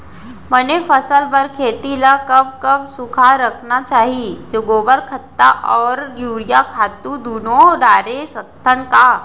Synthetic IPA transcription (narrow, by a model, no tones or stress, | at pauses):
bənefəsəlbəɾkʰeːt̪ilakɐb̚kɐbsʊkʰaɾɐkʰnat͡ʃaːɦid͡ʒoːɡoːbəɾkʰət̪ːaʔɔːɾjuːɾijakʰaːt̪ũd̪uːnoɖaːɾesət̪ʰːənka